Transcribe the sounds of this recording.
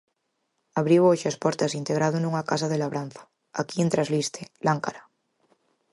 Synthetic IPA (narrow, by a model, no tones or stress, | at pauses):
aβɾiwoʃaspɔɾt̪asint̪eɣ̞ɾað̞onũŋakasaðelaβɾan̟θḁ | akient̪ɾazlist̪elaŋkaɾa